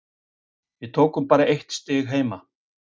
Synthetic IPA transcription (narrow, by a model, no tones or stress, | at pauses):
vɪðt̪ʰoːkʏmpaːɾaʔejht̪st̪ɪːɣɦeːjma